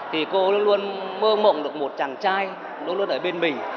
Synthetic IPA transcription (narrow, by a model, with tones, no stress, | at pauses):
t̪ʰi˨˩ko˧lu˧ənlu˧ənməː˧mo̰˧˨ŋ͡mɗɨ˨˩ək̚mo˨˩t̚t͡ɕaː˨˩ŋt͡ɕaː˧j | lu˧nlənʔəː˧˩ɓe˧nmï˨˩